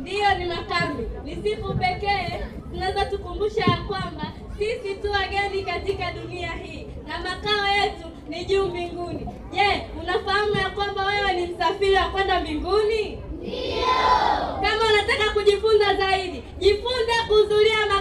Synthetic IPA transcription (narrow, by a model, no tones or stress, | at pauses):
ndijɔnimakaminisipɔpɛkɛɛ | tunazatukumbuʃajakwamba | sisituaɡɛnikatikaɗuniaɦiː | namakaɔjɛtu | niʄuːmbiŋɡuni | ʄɛunafahamujakwambawɛwɛnim̩safiɾiwakwɛndambiŋɡuni | kamaunatakakuʄifunzazaiɗi | ʄifunzakuzuliama